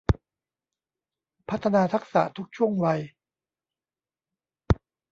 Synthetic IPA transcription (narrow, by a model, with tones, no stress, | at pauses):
pʰa˦˥t̪ʰːa˧naː˧t̪ʰa˦˥k̚sa̰˨˩t̪ʰu˦˥k̚t͡ɕʰu˥˩əŋwa˧j